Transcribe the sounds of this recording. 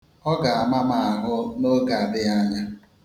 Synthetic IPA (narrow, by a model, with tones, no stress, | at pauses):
ɔ˦ɡa˨a˦ma˦ma˨a˨ɦʊ˦mo˦ɡa˨a˨dɪ˦ja˦ɲa˦